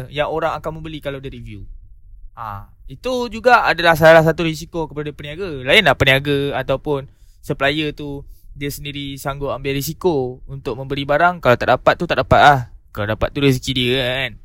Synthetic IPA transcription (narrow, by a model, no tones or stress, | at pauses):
jaŋoɾaŋakanmə̃mbəlikalawdiɾivju | a̰ | it̪ud͡ʒuɡaadalahs̬alahs̬at̪uɾis̬ikokəpadadiəpəniaɡalaɪnlaʔpəniaɡəat̪awpʊn | səpəlajət̪udiəsəndiɾisaŋɡʊʔambɪlɾisikount̪ʊʔ̚mə̃mbəɾibaɾaŋkalawt̪aʔdapat̪̚ːut̪aʔdapat̪̚lahkaladapat̪ːuɾis̬ikidiəan